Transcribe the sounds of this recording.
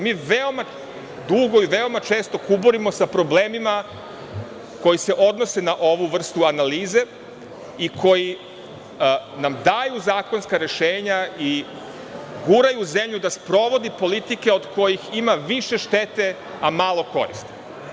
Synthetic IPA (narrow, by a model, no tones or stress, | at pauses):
miːʋeoma | d̪uɡoiʋeomat͡ʃe̞ːst̪okuboɾimo̞sapɾo̞bleːmima | ko̞jise̞ʔo̞d̪no̞se̞naʔo̞ʋuʋr̩st̪uanaliːze̞ | ikʰo̞ji | namd̪ajuzaːko̞nskaɾe̞ʃeːɲai | ɡuɾajuzemʎud̪aspɾo̞ʋo̞d̪ipo̞lit̪ike̞o̞d̪ko̞jiximaʋiʃe̞ʃt̪et̪e̞ | amaːlˠo̞ko̞̰ɾḭst̪i̥